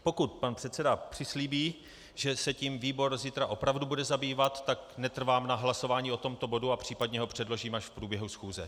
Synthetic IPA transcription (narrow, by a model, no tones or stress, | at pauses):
po̞kut̪̚panpr̥ɛt̪t͡sɛdapr̥ɪsliːbiː | ʒɛsɛcimviːbo̞ɾzit̪ɾaʔo̞pɾavdubudɛzabiːvat̪ːaknɛt̪r̩vaːmnaɦlaso̞vaːɲiːo̞t̪o̞mt̪o̞bo̞duapr̝̥iːpad̪ɲɛɦo̞pr̝̥ɛdlo̞ʒiːmaʃfpɾuːbjɛɦusxuːzɛ